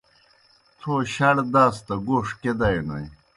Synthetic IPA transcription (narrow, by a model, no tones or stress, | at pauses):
t͡sʰoːɕɐɽd̪aːst̪ɐɡoːʂked̪ɐjnɐj